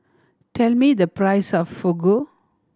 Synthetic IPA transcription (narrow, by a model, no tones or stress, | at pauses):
tʰɛlmid̪əpɹaɪsɔfːoɡo